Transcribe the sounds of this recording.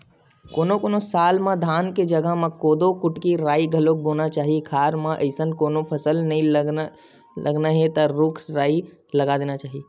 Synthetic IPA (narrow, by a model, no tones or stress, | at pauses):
koːnokoːnosaːlmãd̪ʱaːnked͡ʒəɡəɦmãkoːd̪okʊʈkiɾaːiɡʱəlok̚bonat͡ʃaːɦikʰaːɾmãʔəɪsənkoːnopʰəsəlnəĩ | lə̰ɡnaɦet̪əɾʊkʰɾaːi | ləɡad̪eːnat͡ʃaːɦi